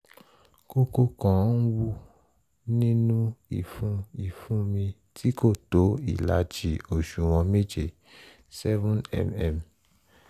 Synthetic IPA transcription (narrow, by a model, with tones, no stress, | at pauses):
ko˧ko˧kã˨˦n̩˦wu˦ | nĩ˦nũ˦i˦˨fũ˧i˦˨fũ˦mĩ˧ | tʰi˦ko˦˨to˨˦ḭ˦˨la˨˦d͡ʒi˨o˨ʃu˨w̃ɔ̃˧me˦d͡ʒe˦˨ | sɛ˦vũ˦nɛ̰˨mɛ˨m